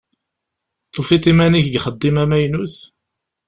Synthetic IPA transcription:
t̪ˤːofit̪imæniçɡχəd̪ːimæmæjnuθ

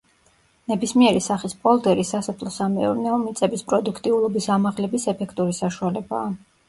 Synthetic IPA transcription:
nɛbismiɛɾisaχispʼɔlˠd̪ɛɾisasɔpʰlˠɔsamɛ̰ɔ̰ɾnɛɔmit̪sʼɛbispʼɾɔd̪ukʰt̪ʼiulˠɔbisamaʁlɛbisɛpʰɛkʰt̪ʼuɾisaʃualɛba̰ː

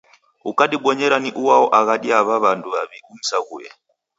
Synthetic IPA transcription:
ukaɗiɓɔɲɛɾaniʔuwaɔʔaɣaɗiaβaβanduβaβium̩saɣujɛ̰

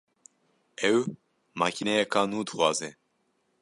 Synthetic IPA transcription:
ɛw | mɑːkʰinɛjɛkʰɑːnuːd̪ɨxʷɑːzɛ

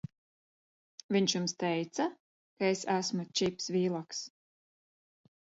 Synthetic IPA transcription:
viɲʃjumst̪ɛjt̪sa | kaesæsmut͡ʃipsviːlˠaks

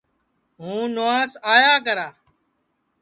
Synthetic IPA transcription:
ɦũːnoaːsaːjaːk̬əɾaː

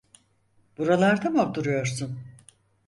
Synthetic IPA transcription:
b̥uɾalˠaɾd̪amoɾt̪uɾujo̞ɾsun

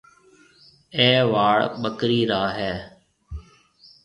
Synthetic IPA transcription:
eːʋaːɭɓəkɾiːɾaːɦɛː

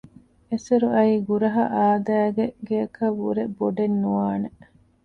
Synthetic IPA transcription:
eseɾuɐiːɡuɾɐɦɐʔaːd̪æːɡeɡeɐkɐʋːuɾeboɖenːuʋaːne

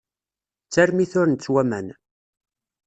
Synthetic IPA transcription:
t͡sːæɾmiθʊɾnt͡sːwæmæ̰n

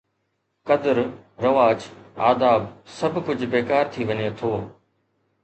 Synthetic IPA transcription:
kɐd̪əɾɾɐʋaːd͡ʒa̰ːd̪aːbsɐbʱkʊd͡ʑʱbeːkaːɾt̪ʰiʋɐɲet̪ʰoː

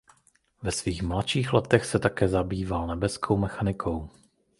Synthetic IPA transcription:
vɛsviːxmlatt͡ʃiːxlɛt̪ɛxsɛt̪akɛːzabiːvalnɛbɛskʰowmɛxanɪkʰow

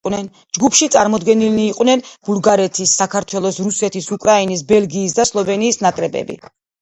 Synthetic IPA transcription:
nɛn | d͡ʒɡupʰʃit̪sʼa̰ɾmɔd̪ɡɛniliːqʼwnɛnb̥ulˠɡaɾɛt̪ʰisːakʰaɾt̪ʰwɛlˠɔsɾusɛt̪ʰisukʼɾainis̬bɛlˠɡiːs̬d̪aslˠɔvɛniːsnakʼɾɛbɛ̰bḭ

